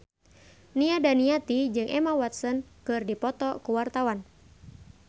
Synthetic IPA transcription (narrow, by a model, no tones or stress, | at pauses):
niadaniat̪id͡ʒɨŋʔɛmawat̪̚sənkɨrdipɔt̪ɔkuwart̪awan